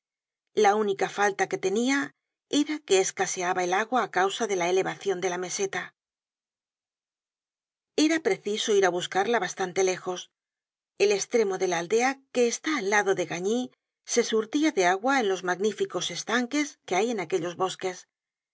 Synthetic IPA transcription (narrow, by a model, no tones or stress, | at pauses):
launikafalt̪ake̞t̪e̞nia | e̞ɾake̞ːskaseaβae̞laɣwaːkawsaðe̞laele̞βaθjo̞nd̪e̞lame̞se̞t̪a | e̞ɾapɾe̞θiso̞iɾaβuskaɾlaβast̪ant̪e̞le̞xo̞s | e̞le̞st̪ɾe̞mo̞ðe̞laald̪e̞ake̞ːst̪aːlːaðo̞ðe̞ɣaɲi | se̞suɾt̪iaðe̞aɣwaenlo̞zmaɣnifiko̞se̞st̪aŋke̞ske̞aje̞nake̞ʎo̞zβo̞ske̞s